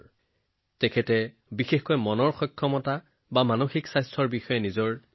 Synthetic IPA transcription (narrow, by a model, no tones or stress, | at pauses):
tɛkʰɛtɛ | bixexkɔjmɔnɔɹxɔjkʰːɔmɔta | bamanoxiksajstʰɔɹbixɔjɛnizɔɹ